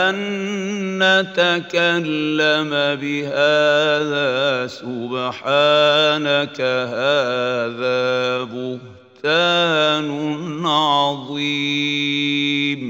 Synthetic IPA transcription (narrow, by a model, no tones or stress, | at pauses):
ʔanː | at̪akalːamabɪɦaːðaːsʊbħaːnakaɦaːðaːbʊh | t̪aːnʊʕʕɑðˤiː | m